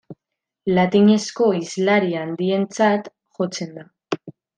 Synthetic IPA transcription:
lat̪iɲe̞sko̞izlaɾiand̪ie̞nt͡sat̪ | ʝo̞t͡se̞nd̪a

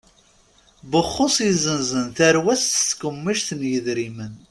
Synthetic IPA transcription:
bəχːʊsˤizənzənθæɾwæsθskəmːiʃθənjəðɾimən

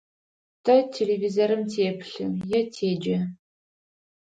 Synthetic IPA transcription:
tʰɐtʰelevizoɾɨmtʰeːpʰɬɨjɛtʰeːd͡ʒɐ

